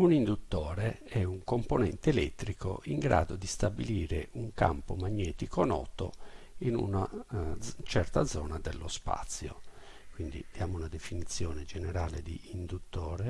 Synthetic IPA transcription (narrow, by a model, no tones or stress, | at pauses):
unind̪ut̪ːɔːɾe | ɛuŋkomponɛnt̪eːlɛ̰t̪ːɾiko̰ʔiŋɡɾa̰ːd̪od̪ist̪abiliːɾeʔuŋka̰mpomaɲːɛːt̪ikonɔ̰ːt̪o̰inṵna | t͡ʃɛrt̪ad̪zːɔːnad̪elːospa̰t̪sːjo̰ | kwind̪ḭd̪̥jaːmounad̪efinit̪sːjɔːned͡ʒeneɾaːled̪iːnd̪ut̪ːɔːɾe